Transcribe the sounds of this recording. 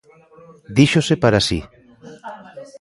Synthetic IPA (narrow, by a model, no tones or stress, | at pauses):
d̪iʃosepaɾasi